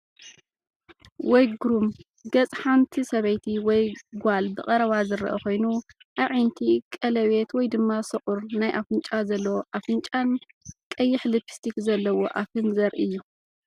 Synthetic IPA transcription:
wɔjɡɾum | ɡɐt͡sʼħant̪ʰisɐβɐjt̪ʰiwɔjɡʷalbɨχʼɐɾɐβazɨɾʔɐ̰ko̞jnuʔaβʕint̪ʰikʼɐlɐβet̪wɔjd̪ɨmːasɨχʼʊɾnajʔafɨnt͡ʃʼazɐlːwoʔafɨnt͡ʃʼan | kʼɐjːɪħlɨpʰi̥st̪ʰikzɐlːɐwo̞ʔafɨnzɐɾʔɨjːu

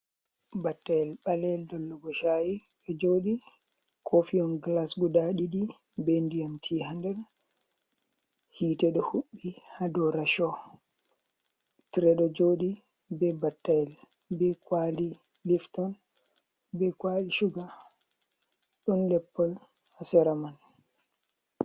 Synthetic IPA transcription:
batːajɛlɓalɛldɔlːuɡɔʃajiɗɔd͡ʒoɗi | kʰofiɔnɡlasɡudaɗiɗi | bɛndijamtʰiːhandɛɾ | hiːtɛɗɔhuɓːihadɔɾaʃɔ | tiɾɛɗɔd͡ʒoɗi | bɛbatːajɛl | bɛkwali | liftɔn | bɛkwaliʃuɡa | ɗɔnlɛpːɔl | hasɛɾaman

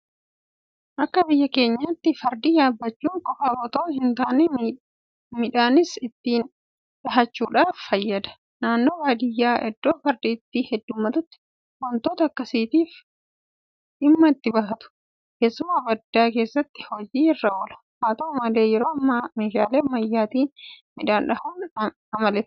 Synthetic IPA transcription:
ʔɐkːɐbɪjːɐke̞ːɲːat̪ːɪfɐɾd̪iːjaːbːɐt͡ʃːuːŋkʼɔfɐbɔt̪ɐʔɦɪnt̪aːnɛ | mɪᶑaːnɪsɪt̪ːiːn | ᶑɐɦɐt͡ʃːuːᶑaːfːɐjːɐd̪ɐ̥ | naːnːo̞ːbaːd̪ɪjːaːʔɛd̪ːoːfɐɾd̪iːt̪ːihɛd̪ːʊmːɐt̪ʊt̪ːɪ̥ | wɔnt̪oːt̪ɐːkːɐsiːt̪iːf | ᶑɪmːɐɪt̪ːɪbɐɦɐt̪ʊ̥ | keːsːʊmaːbɐd̪ːaːke̞ːsːɐt̪ːɪ̥hɔd͡ʒiːɪrːɐɔlɐ̥ | haːt̪ɐmɐle̞ːjɛɾoːɐmːɐmeːʃaːleːmɐjːaːt̪iːnmɪᶑaːnᶑɐhuːn | ɐmɐlɛː

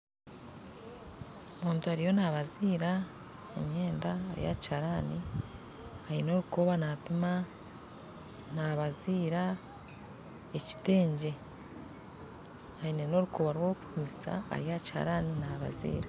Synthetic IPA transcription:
omuːntuaɾijo̞naːβaziːɾa | emɲe̞ːndaːɾḭja̰chaɾaːni | ajino̞ːɾuko̞βanaːpima | naːβaziːɾa | eci̥te̞ːɲɟe̞ | aineno̞ɾukʰo̞βaɾwo̞ːku̥pumisa̰a̰ɾijacha̰ɾaːninaːβa̰zḭːɾa

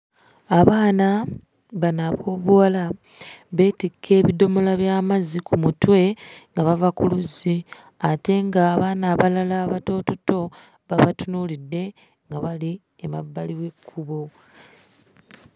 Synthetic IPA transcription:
aβaːna | βanaβo̞ːβuwala | βe̞ːtikʰːe̞ːβido̞mo̞laβjaːmazikumutwe̞ŋɡaβavakuluzi | ate̞ŋɡaːβaːnaβalalaːβato̞toto̞ | βaβatunulidːe̞ | ŋɡaβali | ema̰bːaliwe̞kʰːuβo

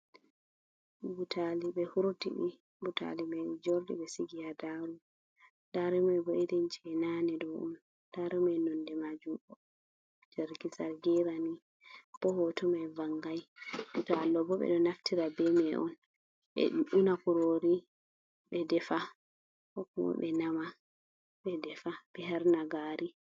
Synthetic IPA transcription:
butʰaliɓɛhuɾtḭɓi | butʰa̰limɛd͡ʒɔɾdɛ̰ɓɛsiɡijadaɾu | daɾimajbɔidɛnt͡ʃɛnanɛdɔʔṵn | d̥aɾimajnɔndɛmad͡ʒumɓɔ | d͡ʒɛɾɡisaɾɡɛɾani | b̥ɔhɔtɔmajvaŋɡajɗutɔalːɔbɔɓɛ̰ɗɔnaftiɾabɛmɛʔɔn | ɓɛ̰unakuɾoɾi | ɓɛdɛfa | hɔkumɔ̰ɓɛnama | ɓɛdɛfaɓɛɦaɾnaɡaːɾi

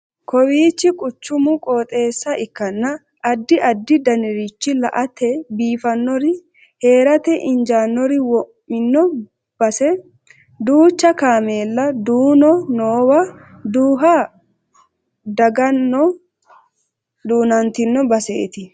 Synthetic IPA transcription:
kʰɔwiːt͡ʃːɪkʼʊt͡ʃːʊmʊkʼoːt̪ʼe̞ːsːɐʔɪkːɐnːɐ | ʔɐd̪ːɪʔɐd̪ːɪd̪ɐnɪɾit͡ʃːɪlɐ̰ʔɐt̪ɛbiːfɐnːɔɾɪ | he̞ːɾɐt̪ɛʔɪnd͡ʒaːnːɔɾɪwɔʔ | ɪnːɔ | bɐsɛ | d̪uːt͡ʃːɐkaːmeːlːɐd̪uːnɔnoːwɐ | d̪uːɦa | d̪ɐɡɐnːɔ | d̪uːnɐnt̪ɪnːɔbɐsḛːt̪ɪ

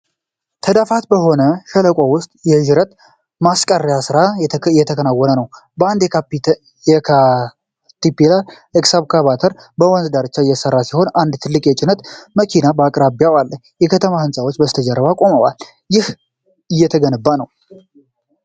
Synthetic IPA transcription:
t̪ʰəd̪afat̪bəɦo̞nəʃələkʼowʊst̪ʼjɛʒɪɾət̪ | maskʼərːijasɨɾajɛt̪ʰəkʰənawːɔnənəwbəand̪p | jɛkʰa | t̪ipːilaɾ | ɨksaβkʰaβat̪ʰəɾ | bəwɔnzd̪aɾɨt͡ʃːajːɛsərːasiho̞nand̪t̪ʰɨlːɨkʼjɛt͡ʃʼɪnət̪məkʰinabakʼɾabjawalːəɲ | jɛkʰət̪ʰəmahɨnsʼawo̞t͡ʃːbəst̪ʰəd͡ʒəɾːəβakʼo̞məwa̰l | jɪh | ɨjːɛt̪ʰəɡənɨbːanəw

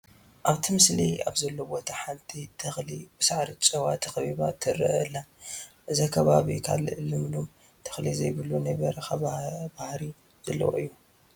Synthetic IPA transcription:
ʔaβt̪ʰɨmɨslia̰βzɐlːobot̪ʰaħant̪ʰit̪ʰɨxlibɨsaʕɾɨt͡ʃʼɐwat̪ʰɐxβiβat̪ʰɨɾɨʔɨlːaʔɨzakʰɐβaβikʰa̰lɨʔɨlɨmlum | t̪ʰɐ̥xlizɐjbɨlunɐjβɐɾɐxaβbahɾi | z̥ɐlːɐ̰wo̰ʔɨjːu

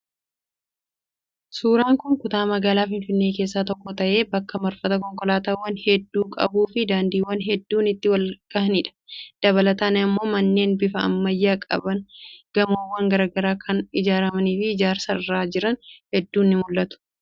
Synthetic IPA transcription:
suːɾaːŋkʊŋkʊt̪aːmɐɡaːlaːfɪnfɪnːe̞ːke̞ːs̬ːaːt̪ɔkːɔt̪ɐʔe̞ːbɐkːɐmɐɾfɐt̪ɐk̬ɔŋkɔlaːt̪ɐwːɐnhɛd̪ːuːkʼɐ̰buːfɪd̪aːnd̪iːwːɐnɦɛd̪ːuːnɪt̪ːɪwɐlɡ̥ɐɦnɪᶑɐ̥d̪̥ɐβɐlɐt̪aːnɐmːo̞ːmɐnːeːnbɪfɐɐ̰mːɐjːaːkʼɐ̰bɐnɡ̥ɐmoːwːɐŋɡɐɾaɡɐɾaːkʰɐnɪd͡ʒaːɾɐmɐniːfɪːd͡ʒaːɾsɐrːaːd͡ʒɪɾɐnhɛd̪ːuːnːɪmʊlːɐt̪ʊ̥

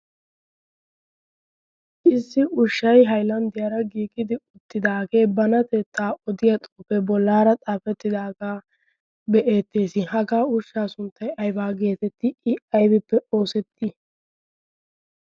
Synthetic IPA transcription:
ʔɪsːɪʔʊʃːɐjɦɐjlɐnd̪ɪjɐɾɐɡiːkʼːɪd̪ɪʊt̪ːɪd̪aːɡe̞ːbɐnɐt̪ɛːt̪ːaːʔɔd̪ɪjɐt̪ʼoːfɛbɔlːaːɾɐt̪ʼaːfɛt̪ːɪd̪aːɡaː | bɛʔe̞ːt̪ːe̞ːsɪhɐɡaːʊʃːaːsʊnt̪ʰːɐjɐjbaːɡe̞ːt̪ɛt̪ːɪʔɪʔɐjbɪpːɛo̞ːsɛt̪ʰːi

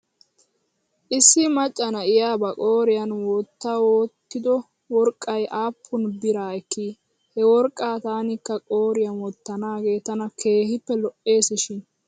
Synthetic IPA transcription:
ʔɪsːɪmɐt͡ʃʼːɐnɐɪjaːbɐkʼoːɾɪjɐnwɔt̪ːawoːt̪ːɪd̪ɔ | wɔɾkʼːɐjʔaːpʰːʊnbɪɾaːɛkːi | hɛwɔɾkʼːaːt̪aːnɪkːɐkʼo̞ːɾɪjɐnwɔt̪ːɐnaːɡe̞ːt̪ːɐnɐkʰe̞ːhɪpːɛlɔʔe̞ːsɪʃɪn

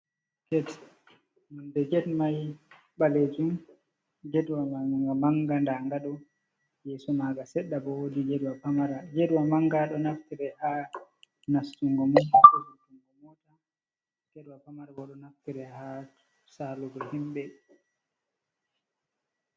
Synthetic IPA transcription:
ɡ̥ɛd | mundɛd͡ʒɛdmaj | ɓaled͡ʒum | d͡ʒɛdwamaɡamaŋɡandaŋɡaɗɔ | jɛsɔmaɡasɛɗːabɔwodid͡ʒɛdwapamaɾad͡ʒedwamaŋɡaɗɔnaftiɾɛha | nastuŋɡɔmɔaɔbutuŋɡɔmɔta | ɡ̥ɛɗwapamaɾabɔɗɔnaftiɾɛha | saluɡɔhimɓɛ

